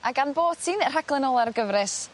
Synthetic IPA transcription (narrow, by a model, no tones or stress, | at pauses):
ʔaɡanboːd̥tʰiːnr̥aɡlˠɛnɔlˠarɡəvɾɨs